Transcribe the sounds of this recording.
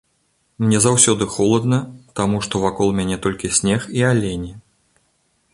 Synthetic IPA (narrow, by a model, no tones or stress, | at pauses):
mnʲɛzawsʲɔd̪ɨxɔlˠɐd̪nɐt̪amuʂt̪ɔvakɔlˠmʲanʲɛt̪ɔlʲkʲisʲnʲɛxialʲenʲi